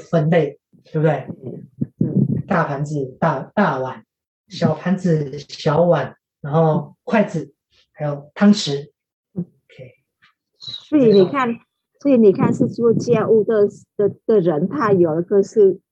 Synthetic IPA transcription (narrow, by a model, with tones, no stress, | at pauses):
fə˧nle˥˩ɪ | t̪e˥˩bt̪we˥˩ɪ˥˩ | t̪a˥˩pʰa˧˥nd͡z̩˨˩t̪a˥˩t̪a˥˨wa˨˩˦n | ɕjɑ˨˩ʊpʰa˧˥nd͡z̩˨˩ɕjɑ˧˥ʊwa˨˩˦n | ɻa˧˥nxo˥˧ʊkʰwa˥˩ɪt͡sɹ̩˨˩˦ | ha˧˥ɪjo˨˩ʊt̪ʰɑ˥ŋʂɻ̩˧˥˩ | o˨˧kʰe˥˩ | swɔ˧˥i˧˥ni˨˩kʰa˥˩n | swɔ˧˥i˧˥ni˨˩kʰa˥˧nʂɻ̩˥˧ʈ͡ʂ̩˥o˥˩t͡ɕjɛ˥˧nu˥˩t̪ə˥˧d̪̥ə˨˩˥d̪ə˨ɻə˧˥nt̪ʰa˥˩ɪjo˨˩ʊdə˦kʰɤ˥˧ʂ̩˥˩